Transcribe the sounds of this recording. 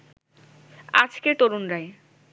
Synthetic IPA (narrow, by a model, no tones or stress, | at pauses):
a̰d͡ʑket̪oɾunɾae